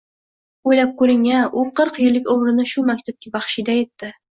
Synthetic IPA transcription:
ojlap̚kɵɾɪŋaʔʊqʰɨɾqjɪlːɪkʲomɾɪnɪʃʊmakʲt̪ʰap̚kʲʰabɑχʃid̪aje̞t̪ːɪ

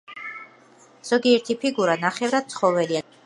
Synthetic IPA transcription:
z̥ɔɡiɛɾt̪ʰipʰiɡuɾanaχɛvɾad̪̥̚t̪sʰχɔvɛlia

